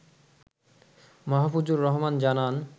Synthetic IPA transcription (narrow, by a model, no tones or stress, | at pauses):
mɔɦafud͡ʑuɾːɔɦmand͡ʑanan